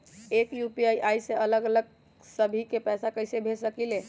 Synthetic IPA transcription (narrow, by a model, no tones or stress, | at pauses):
ekjupiajʔajseələɡələɡ̚ | səbʱikepɛsakəjsebʱesəkile